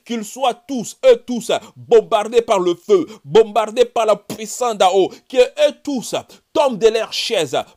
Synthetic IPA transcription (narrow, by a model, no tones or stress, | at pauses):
kilswat̪usøt̪usbɔ̃baʁd̪epaʁləføbɔ̃baʁd̪epaʁlapɥisɑ̃d̪aokieʔøt̪us | t̪ɔ̃md̪əlœʁʃɛz